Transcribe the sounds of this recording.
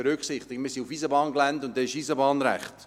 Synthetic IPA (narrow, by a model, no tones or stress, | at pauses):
ɛɾʏksɪχtɪɡmiːsiufiːzəbɑːnklæntʊnt̚dɛɪʃiːzəbɑːnɾæ̰χt